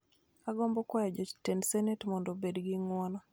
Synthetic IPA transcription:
aɡɔmbɔkwajɔd͡ʒɔt͡ʃtensɛnetmɔndɔbedɡɪŋwɔnɔ

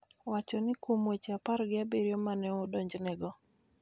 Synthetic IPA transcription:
wat͡ʃɔnɪkwomwet͡ʃapaɾɡɪabeɾjɔmanɛʊdɔɲd͡ʒnɛɡɔ

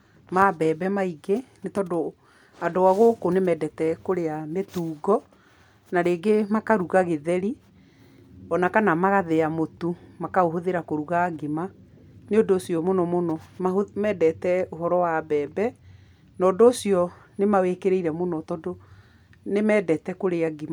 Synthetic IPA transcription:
mabɛːbɛmaiɡenetɔdo | adoaɣokonemɛdɛtɛkoɾeametuːɡɔ | naɾeːɡemakaɾuɣaɣeðɛɾi | ɔnakanamaɣaðeamotumakaoɦoðeɾakoɾuɣaɡema | neodoːsiɔmonɔmonɔmaomɛːdɛtɛoɦɔɾɔwabɛːbɛ | nɔːdoːsiɔ | nemawekeɾeiɾɛmonɔtɔdo | nemɛːdɛtɛkoɾeaɡema

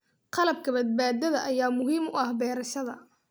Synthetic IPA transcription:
qɑlɐb̚kʰɐbɐd̪̚baːd̪ɐðɐʔɐjaːmʊɦiːmʊɐhbɛːɾɐʃɐðɐ̰

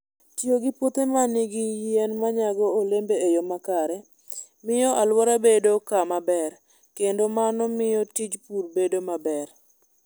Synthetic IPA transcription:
tjoɡɪpot̪emanɪɡɪjɛnmaɲaɡɔolembeejomakaɾɛ | mɪjɔʔalwɔɾabedokamabɛr | kendomanɔmɪjɔtid͡ʒpurbedomabɛr

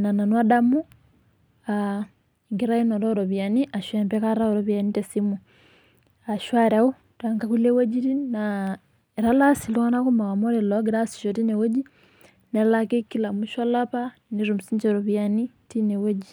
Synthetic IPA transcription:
nananwadamu | a | iŋɡiɾainoɾoɾoβjaniʔaʃwempekaɾaoɾoβjanitesimu | aʃwaɾau | twaŋɡakulewod͡ʒiɾina | eɾalasiloanakumakamoɾeloɡiɾasi̥ʃotinewod͡ʒi | neɾalakekilamuʃalapa | niɾumusiɲd͡ʒeɾoβjani | tinewod͡ʒi

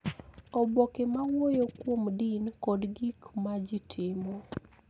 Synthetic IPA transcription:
obokemawojokwomdinkɔdɡikmad͡ʒɪtʰɪmo

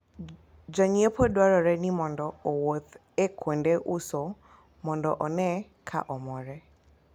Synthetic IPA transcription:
d͡ʒaɲiepʰɔdwaɾɔɾɛnimɔndɔowot̪ | ekʰwendeʔuso | mɔndɔʔɔnɛ | kʰa̰ʔɔmɔɾɛ

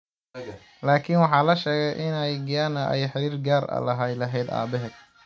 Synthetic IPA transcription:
laːkʰɪnwɑħɑːlɐʃɛːɣɛjʔɪnɛjɡɐjanɐʔɛjħɪɾiːrɡaːrɐ̰lɐɦɛjlɐɦɛjd̪a̰ːbɛɦɛ

